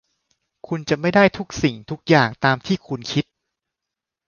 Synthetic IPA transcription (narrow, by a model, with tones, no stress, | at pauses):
kʰu˧nt͡ɕa˨˩ma˥˩jdaː˥˩jt̪ʰu˦˥k̚si˨˩ŋt̪ʰu˦˥k̚jaː˨˩ŋt̪aː˧mt̪ʰiː˥˩kʰu˧nkʰi˦˥t̪̚